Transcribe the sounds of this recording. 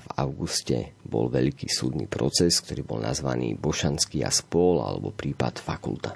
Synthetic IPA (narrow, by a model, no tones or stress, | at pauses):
vaʊɡuscɛbɔlʋɛʎkiːsuːd̪niːpɾɔt͡sɛsk̚t̪ɔɾiːbɔlnazʋaniːbɔʃanskiːaspʊɔla̰lɛbɔpɾiːpat̪fakult̪a